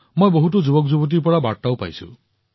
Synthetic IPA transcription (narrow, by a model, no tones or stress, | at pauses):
mojboɦut̬ud͡ʒubɔk̬d͡ʒubɔt̬ipɔɹabaɽtawpa̰jsṵ